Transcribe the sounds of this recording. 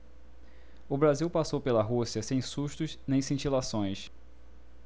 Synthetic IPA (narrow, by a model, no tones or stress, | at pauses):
ʊbɾaziwpasowpelɐɦusiɐsẽj̃suʃt̪ʊznẽj̃sĩt͡ʃilasõj̃s